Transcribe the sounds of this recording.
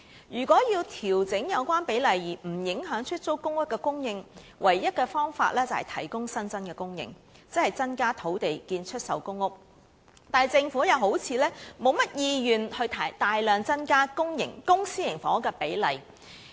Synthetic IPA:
jyː˨˩kʷɔː˨˥jiː˧wt̪ʰiː˨˩wt͡sɪ˨˥ŋjɐ˨˧wkʷaː˥npe˨˥jlɐ˨jjiː˨˩m̩˨˩jɪ˨˥ŋɦœː˨˥ŋt͡ʃʰɵ˥t̚t͡so˥wkʊ˥ŋʊ˥k̚kɛː˧kʊ˥ŋjɪ˧ŋ | wʔɐ˨˩jːɐ˥t̚kɛ˧fɔː˥ŋfa̰ː˧t̚lɛː˥t͡sɐ˨whɐ˨˩jt̪ʰɐ˨˩jkʊ˥ŋsɐ˥nt͡sɐ˥nkɛː˧kʊ˥ŋjɪ̰˨ŋ | t͡sɪ˥khɐ˨jt͡sɐ˥nkaː˥t̪ʰo˨˥wt̪e˨jkiː˧nt͡ʃʰɵ˥t̚sɐ̰˨˧wkʊ˥ŋːʊ˥k̚ | t̪aː˨˩jt͡sɪ˧ŋfuː˨˥jɐ˨˧wɦo˨˥wt͡sʰiː˨˧lɛː˥mo˨˧wmɐ˥t̚jiː˧jyː˨nhɵ˧ɥt̪ʰɐ˨˩t̪aː˨jlœː˨ŋt͡sɐ˥nkaː˥kʊ˥ŋjɪ˨˩ŋkʊ˥ŋsiː˥jɪ˨˩ŋfɔ̰ː˨˦˥kɛː˧pe˨˥jlɐ˨˩j

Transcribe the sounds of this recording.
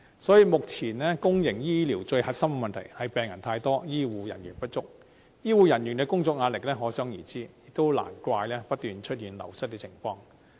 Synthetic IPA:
sɔː˨˥jiː˨˧mʊ˨k̚t͡sʰiː˨˩nlɛː˥kʊ˥ŋjɪ˨˩ŋjiː˥liː˨˩wt͡ʃɵ˧ɥhɐ˨˩t̚sɐ˥m˧mɐ˨nt̪ʰɐ̰˨˩jhɐ˨jpɛː˨ŋjɐ˨˩nt̪ʰaː˧jt̪ɔː˥jiː˥wuː˨˧jɐ̰˨˩njyː˨˩npɐ˥t̚t͡ʃʊ˥k̚ | jiː˥wuː˨jɐ˨˩njy˨˩nkɛː˧kʊ˥ŋt͡sɔː˧k̚ŋaː˧˥lɪ˨k̚lɛː˥ɦɔː˨˥sœː˨˥ŋjiː˨˩t͡siː˥jɪ˨k̚t̪o˥wla̰ː˨˩nkʷaː˧jlɛː˥pɐ˥t̚t̪yː˨nt͡ʃʰɵ˥t̚jiː˨˩nlɐ̰˨˩wsɐ˥t̚kɛː˧t͡sʰɪ˨˩ŋfɔː˧ŋ

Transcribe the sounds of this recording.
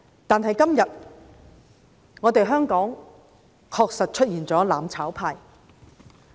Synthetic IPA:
t̪aː˨nɦɐ˨jkɐ˥mjɐ˨t̚ | ŋɔː˨˧t̪e˨jɦœː˥ŋkɔː˨˥ŋ | kʰɔː˧k̚sɐ˨t̚t͡ʃʰɵ˥t̚jiː˨˩nt͡sɔː˨˥laː˨mt͡sʰaː˨˥wpʰaː˧j

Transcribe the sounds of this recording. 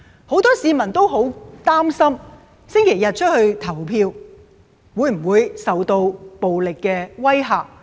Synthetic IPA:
ho˨˥wt̪ɔː˥siː˨˧mɐ˨˩nt̪o˥wɦo˨˥wt̪aː˥msɐ˥m | sɪ˥ŋkʰe˨˩jɐ˨t̚t͡ʃʰɵ˥t̚hɵ˧ɥt̪ʰɐ˨˩wpʰiː˧w | wuː˨˧˥jm̩˨˩wuː˨˧jsɐ˨wt̪o˧wpo˨wlɪ˨kːɛː˧wɐ˥jɦaː˨k̚

